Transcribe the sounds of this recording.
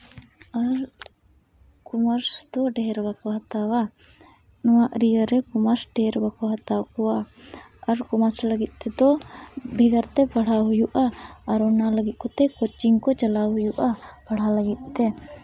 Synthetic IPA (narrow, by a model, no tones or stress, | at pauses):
aɾ | kumaɾsd̪ɔɖɛɦɾbakɔɦat̪awa | nɔwaʔɾijəɾɛkumaɾsɖɛɾbakɔɦat̪awkɔwaː | ɾkumasləɡit̪̚ˀt̪ɛd̪ɔbʱiɡəɾt̪ɛpaɽ̤aɦujuʔaːɾɔnaləɡit̪̚ˀkɔt̪ɛkɔt͡ʃiŋkɔt͡ʃalaɦujuʔapaɽ̤aləɡit̪̚ˀt̪ɛ